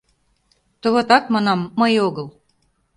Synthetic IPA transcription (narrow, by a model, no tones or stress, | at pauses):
t̪ɤβŏt̪ɑkmɑnɑmːəjoɣɤ̆lˠ